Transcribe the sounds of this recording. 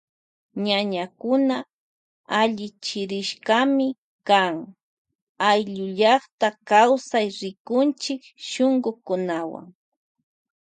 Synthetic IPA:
ɲaɲakʊna | aʎɪt͡ʃɪɾɪʃkamɪ | kaŋ | ajʎʊʎɑχt̪akawsajɾɪkʊnt͡ʃɪkʃoŋɢʊkʊnawa̰ŋ

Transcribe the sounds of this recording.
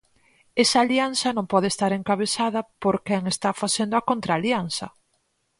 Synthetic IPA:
esɐːljan̟θɐnõŋmpɔð̞est̪aɾeŋkaβesaðɐpoɾkɛŋest̪afaθend̪oakont̪ɾaljanθɐ

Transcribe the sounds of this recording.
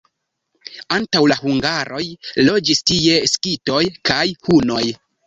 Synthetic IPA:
antawlahuŋɡaɾʔo̞jlo̞d͡ʒistije̞skito̞jkajhuno̞j

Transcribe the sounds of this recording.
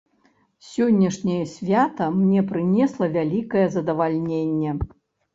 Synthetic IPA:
sʲɔnʲːɐʂnʲɐjɐsʲvʲat̪ɐmnʲɛpɾɨnʲɛslˠɐvʲalʲikɐjɛzɐd̪ɐvalʲnʲenʲːɛ

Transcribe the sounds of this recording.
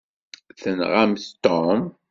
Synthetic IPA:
θənʁamθt̪ɔm

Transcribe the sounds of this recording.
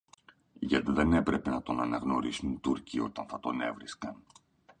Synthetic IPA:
ʝɐt̪iðe̞ne̞pɾe̞pe̞nɐt̪o̞nɐnɐɣno̞ɾisunit̪uɾcio̞̰t̪ɐnθɐt̪one̞̰vɾiskɐn

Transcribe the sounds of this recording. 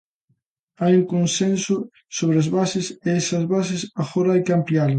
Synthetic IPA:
ajuŋkonsensʊ | soβɾeazβasɪseesɐzβasɪsafoɾaɪkampial

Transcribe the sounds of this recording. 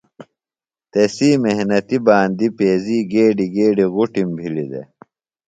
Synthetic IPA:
t̪esiːmehnɐt̪ibaːnd̪ipeːziːɡeːɖiɡeːɖiɣuʈimbʱilid̪ḛ

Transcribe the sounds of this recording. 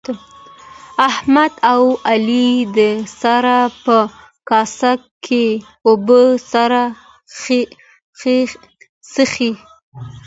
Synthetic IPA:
ahmad̪awalid̪əsaɾapə | kɑsakʰː | e | obəsaɾa | səxi

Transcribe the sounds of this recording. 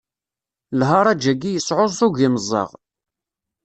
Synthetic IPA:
lɦɑɾˤɑd͡ʒæɡijəsʕozˤθuʝiməzˤːɑ̰ʁ

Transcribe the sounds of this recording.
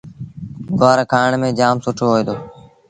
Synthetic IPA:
ɡaːɾkʰaːɳmẽːd͡ʒaːmsʊʈʰoːɦoːeːd̪oː

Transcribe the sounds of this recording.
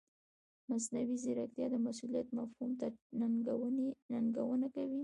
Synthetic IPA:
masnawizɪɾak̚t̪jɑd̪əmasulijat̪mafhumt̪anaŋɡawəninaŋɡawənakawi

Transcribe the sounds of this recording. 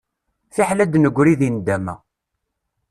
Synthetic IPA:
θiħlæd̪nəɡʷɾiðind̪æmæ̰

